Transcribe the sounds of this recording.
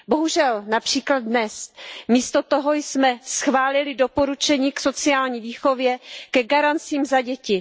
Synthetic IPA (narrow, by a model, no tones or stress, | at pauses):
bo̞ɦuʒɛlnapr̝̥iːklad̪̚nɛsmiːst̪ot̪oɦojsmɛsxvaːlɪlɪdopo̞ɾut͡ʃɛɲiːksot͡sɪaːlɲiːviːxo̞vjɛkɛɡaɾant͡siːmzaɟɛcɪ